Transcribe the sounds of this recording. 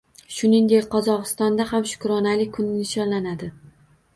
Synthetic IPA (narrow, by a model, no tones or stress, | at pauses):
ʃʊnɪŋd̪e̞kʲqʰɒzɒqɨst̪ɒnd̪ahamʃʊ̥kɾɒnalɪkʰʊnɪnɪʃɒnlanad̪ɪ